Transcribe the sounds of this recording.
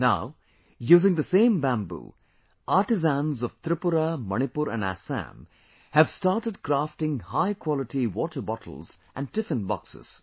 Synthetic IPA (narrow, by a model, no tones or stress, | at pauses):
naʊ | juːzɪ̃ŋd̪əsẽːmbæ̃mbṵː | ʔaɾʈɪzæ̃nzɔʋt̪ɾɪpʊɾamʌñɪpuɾæ̰̃næ̰sæ̰̃m | hævstaːʈəɖ̚kɾafʈɪ̃ŋhaɪkʰwɔlɪʈiwɔːʈʰə˞bɔʈʰə̰l̩ˠz̥ʔæ̰̃n̚ʈɪfɨ̃nbɑ̰ksɪ̰z̥